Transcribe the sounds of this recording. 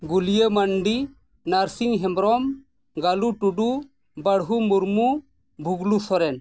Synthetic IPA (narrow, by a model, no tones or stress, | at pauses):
ɡulijəmaɳɖi | naɾsiŋɦɛmbɾɔm | ɡaluʈuɖu | bəɽɦumuɾmu | bʱuɡlusɔɾɛn